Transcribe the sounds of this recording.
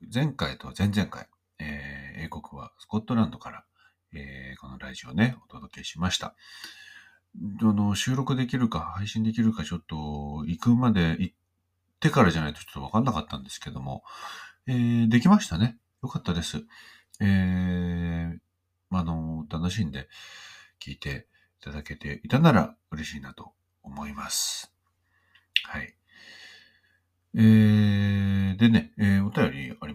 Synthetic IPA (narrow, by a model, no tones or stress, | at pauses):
zẽ̞ŋkait̪o̞̰zẽ̞nd͡zẽ̞ŋka̰i | eːe̞ːko̞kɯ̟βa̰sɨ̥ko̞t̪ːo̞ɾãnd̪o̞kaɾa̰ | eːko̞no̞ɾa̰ʑio̞ne̞o̞t̪o̞d̪o̞ke̞ɕimaɕi̥t̪a̰ | anoɕɨːɾo̞kɯ̟d̪e̞kʲiɾɯ̟kahaiɕĩnd̪ekʲiɾɯ̟kat͡ɕo̞t̪ːo̞ikɯ̟mad̪e̞ʔit̪ː | e̞kaɾaʑanait̪ot͡ɕot̪ːakanːakat̪ːãnd̪e̞sɨ̥ke̞d̪o̞mo̞̰ | eːd̪e̞kʲimaɕi̥t̪ane̞ | jo̞kat̪ːad̪e̞sɨ | e | mano̞t̪ano̞ɕĩnd̪e̞kʲʰḭːt̪e̞ | it̪ad̪ake̞t̪ʰe̞it̪anaɾa̰ɯ̟ɾe̞ɕiːnat̪o̞ː | mo̞imasɨ̥ | hai | eː | d̪e̞ne̞eo̞t̪ajo̞ɾʲḭaɾʲi